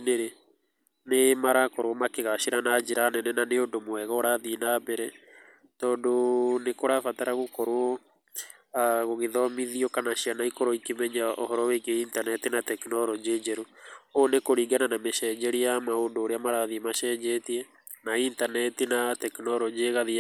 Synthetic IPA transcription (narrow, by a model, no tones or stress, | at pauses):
neɾe | nemaɾakɔɾwɔmakeɣaʃiɾanad͡ʒeɾanɛnɛnaneondomoɛɣɔːɾaðinabɛɾɛ | tɔːndonekoɾafataɾaɣokɔɾoɔ | aɣoɣeðɔmiðiɔkanaʃianaikoɾɔikemɛɲao̰hɔɾɔwekeintanɛtinatɛkinɔɾɔd͡ʒed͡ʒɛɾoonekoɾiːŋɡananameʃɛd͡ʒɛɾiamaondoːɾeamaɾaðiemaʃɛːd͡ʒɛtiɛ | naintanɛtinatɛkinɔɾɔd͡ʒeɣaði